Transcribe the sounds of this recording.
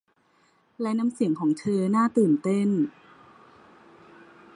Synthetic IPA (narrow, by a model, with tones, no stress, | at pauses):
lɛ˦˥na˦˥msi˨˩˦əŋkʰɔː˩˦ŋt͡ɕʰɤː˧naː˥˩t̪ɯː˨˩nt̪e˥˩n